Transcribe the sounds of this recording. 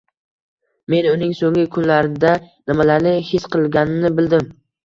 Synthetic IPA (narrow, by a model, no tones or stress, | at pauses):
me̞nʊnɪŋsoŋɪkʰʊnlaɾɪd̪anɪmalaɾnɪhɪsqʰɨlˠɡʲanɪnɪbɪld̪ɪm